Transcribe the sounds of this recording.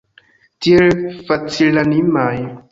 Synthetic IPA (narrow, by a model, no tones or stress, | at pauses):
tielfat͡silanimaj